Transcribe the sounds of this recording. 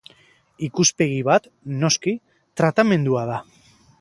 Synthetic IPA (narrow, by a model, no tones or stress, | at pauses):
ikuspe̞ɣiβ̞at̪ | no̞ski | t̪ɾat̪amẽ̞nd̪uað̞a